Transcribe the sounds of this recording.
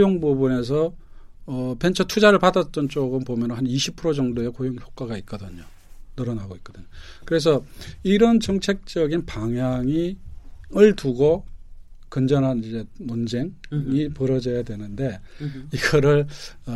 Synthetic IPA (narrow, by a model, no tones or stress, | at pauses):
joŋbobune̞s̬ʰʌː | pe̞nt͡ɕʰʌtʰud͡ʑaɾɯɭpadat̚t͈ʌnt͡ɕ͈oɡɯmpomjʌnnɦaniɕʰi̥pʰɯɾod͡ʑʌŋdoe̞kojoŋçjok͈aɡait̚k͈ʌdɯɲo | nʌɾʌnaɡoit̚k͈ʌdɯɲokɯɾe̞s̬ʰʌiɾʌnt͡ɕʌŋt͡ɕʰe̞k̚t͡ɕ͈ʌɡinpaŋjaŋi | ɯɭtuɡo | kɯnd͡ʑʌnɦanid͡ʑe̞mond͡ʑe̞ŋŋipɯɾʌd͡ʑʌjadwe̞nɯnde̞iɡʌɾɯɭ